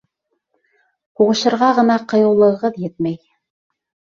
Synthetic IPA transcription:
huʁɤ̆ʃɤ̆ɾʁɑʁɤ̆nɑqɤ̆jɤ̆wlˠɤ̆ɤ̆ʁɤðjɘt̪̚mæj

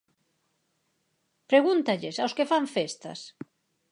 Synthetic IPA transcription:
pɾeɣunt̪ɐʎesawskefaɱfest̪ɐ̰s

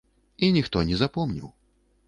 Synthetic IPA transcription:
inʲixt̪ɔnʲɛzapɔmnʲḭw

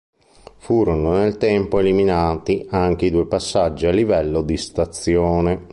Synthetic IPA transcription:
fuːɾononelt̪ɛmpoeliminaːt̪iaŋk̟eid̪uːepasːad͡ʒːialːivɛlːod̪ist̪at̪sjoːne

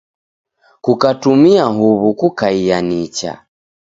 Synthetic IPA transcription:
kukatumiaɦuβukukaijanit͡ʃa̰

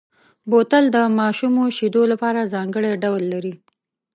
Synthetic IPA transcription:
bot̪əld̪əmɑʃumoʃid̪olapɑɾazɑŋɡəɽeɖawlːaɾi

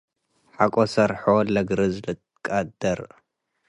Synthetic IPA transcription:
ħakʼosɐɾħolɐɡɾɨzlɨt̪ | kʼad̪ɐɾ

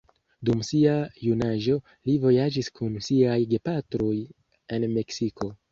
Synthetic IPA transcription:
dumsiajunaʒo̞ | livo̞jad͡ʒiskunsiajɡe̞patɾo̞j | e̞nme̞ksiko̞

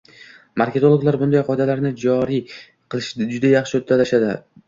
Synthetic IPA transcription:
maɾkʲe̞t̪olˠoɡlaɾbʊnd̪ajqʰɒd̪alaɾnɪd͡ʒɒɾi | qʰɨlˠɪʃɪd͡ʒʊd̪ajɑχʃɪot̪ʰːalaʃad̪ɪ̰

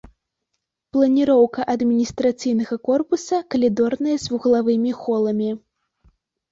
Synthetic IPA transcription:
plˠɐnʲiɾɔwkɐʔɐd̪mʲinʲist̪ɾat̪sɨjnɐɣɐkɔrpusɐkɐlʲid̪ɔrnɐjɐzʲvuɣlˠavɨmʲixɔlˠɐmʲi

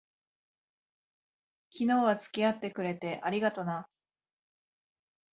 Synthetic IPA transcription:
kʲino̞ːβat͡sɨ̥kʲiat̪ːe̞kɯ̟ɾe̞t̪e̞ʔaɾʲiɡat̪o̞na

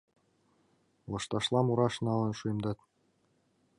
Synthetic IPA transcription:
lˠɤ̆ʃt̪ɑʃlˠɑmuɾɑʃnɑlɤ̆nʃujmd̪ɑt̪

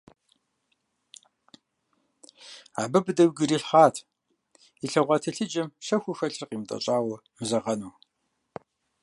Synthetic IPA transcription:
a̰bɨbdɐwɡɨɾiːɬχaːtʰ | iɬɐʁʷɑtʰɐɬɨd͡ʒɐmʃɐxʷʊxɐɬɨrqiːmtʼɐ̰ɕʼaːwɐmɨzɐʁɐnuː

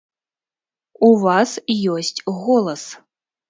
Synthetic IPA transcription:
uvasjɔsʲtʲɣɔlˠɐs

